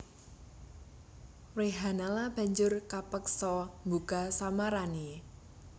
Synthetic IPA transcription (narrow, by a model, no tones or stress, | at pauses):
weɦanalab̥a̤ɲd͡ʒʊrkapəksɔmbukasamaɾani